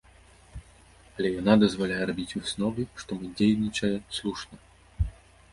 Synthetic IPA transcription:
ɐlʲɛjanad̪ɐzvalʲajɛɾabʲit͡sʲusnɔvɨʂt̪ɔmɨd͡zʲejnʲit͡ʂɐjɛslˠuʂnɐ

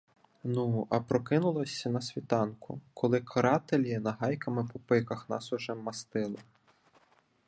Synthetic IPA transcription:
nuɐpɾɔkɪnʊlˠɔsʲɐnɐsʲʋʲit̪ɑnkʊ̰kʰɔlˠɪkʰɔɾɑt̪elʲjinɐɦɑjkɐmɪpɔpɪkɐxnɑ̰sɔʒɛmːɐst̪ɪlˠɪ

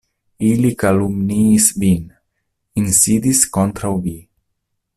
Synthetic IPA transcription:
ilikalumniːsvin | insid̪iskont̪ɾawvi

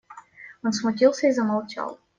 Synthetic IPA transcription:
onsmʊtʲilˠsʲəizəmɐlˠt͡ʃa̰lˠ

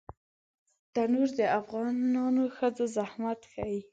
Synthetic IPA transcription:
t̪anuɾd̪əafɣɑnɑnoxəd͡zozahmat̪xaji

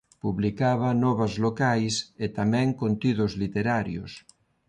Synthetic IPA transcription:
puβlikaβɐnɔβɐzlokajset̪amɛ̃ŋkont̪iðʊzlit̪eɾaɾjo̰s

